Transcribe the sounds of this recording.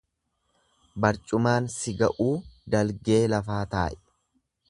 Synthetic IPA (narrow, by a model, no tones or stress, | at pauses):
bɐɾt͡ʃʼʊmaːnsɪɡɐʔuːd̪ɐlɡe̞ːlɐfaːt̪a̰ːʔɛ̥